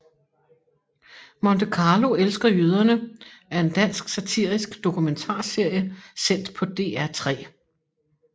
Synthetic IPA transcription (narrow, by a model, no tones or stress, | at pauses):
mɒnt͡sʰəkʰɑ̈ːlo̝elsɡ̥ɐjøð̞ˠɐnəæɐe̝nd̥æn̰sɡ̥sæt͡sʰiɐ̰isɡ̥d̥o̝kʰument͡sʰɑ̰̈ːse̝ɐ̰jəsen̰d̥pʰɒ̽d̥e̝̰ːæɐt͡sʰʁɛ̰ː